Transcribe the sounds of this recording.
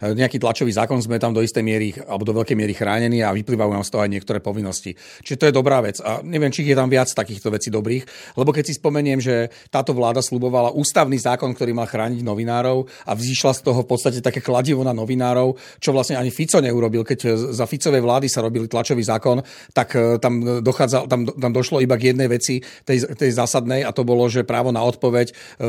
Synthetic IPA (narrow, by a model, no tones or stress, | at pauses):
ɲɛakiːt̪lat͡ʃɔʋiːzaːkɔnzmɛt̪amd̪ɔist̪ɛjmɪɛɾialɛbɔd̪ɔʋɛʎkɛjmɪɛɾixɾaːɲɛniːaʋipliːʋajuːnaːmst̪ɔɦɔajɲɪɛkt̪ɔɾɛːpɔʋinːɔscḭ | t͡ʃiʒɛt̪ɔjɛd̪ɔbɾaːʋɛt͡saɲɛʋɪɛmt͡ʃiːɣjɛt̪amʋɪat͡st̪akiːxt̪ɔʋɛt͡siːd̪ɔbɾiːxlɛbɔkɛcsispɔmɛɲɪɛmʒɛ | t̪aːt̪ɔʋlaːd̪aslubɔʋalaʔuːst̪aʊniːzaːkɔnkt̪ɔɾiːmalxɾaːɲiɟnɔʋinaːɾɔʊ | avziːʃlast̪ɔɦɔfpɔt̪st̪acɛt̪akɛːklaɟiʋɔnanɔʋinaːɾɔʊ | t͡ʃɔʋlasɲɛaɲifit͡sɔɲɛuɾɔbilkɛɟzafit͡sɔʋɛjʋlaːd̪isaɾɔbilit̪lat͡ʃɔʋiːzaːkɔn | t̪akt̪amd̪ɔxaːd͡zat̪amt̪amd̪ɔʃlɔibaɡjɛd̪nɛjʋɛt͡sit̪ɛjt̪ɛjzaːsad̪nɛjat̪ɔbɔlɔʒɛpɾaːʋɔnaɔt̪̚pɔʋɛc